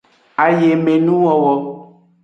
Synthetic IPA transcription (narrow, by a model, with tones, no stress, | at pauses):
a˨je˨mẽ˨nũ˦wɔ˦wɔ˦